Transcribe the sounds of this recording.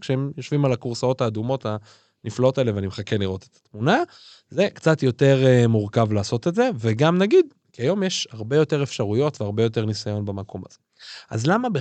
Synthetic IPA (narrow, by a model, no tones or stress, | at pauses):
kʃeemjo̞ʃvimalakuʁsao̞thaːd̪umo̞ta | niflao̞taeleveanimχakeliʁo̞t̪et̪ḁtmuna | ze̞kt͡sat̪jo̞te̞ʁemuʁkavlaːso̞t̪etze̞veɡamnaɡid̪ | kiajo̞mjeʃhaʁbe̞jo̞te̞ʁefʃaʁujo̞tveaʁbe̞jo̞te̞ʁnisajo̞nbamakʰo̞ma̰z̥e | a̰zlamabe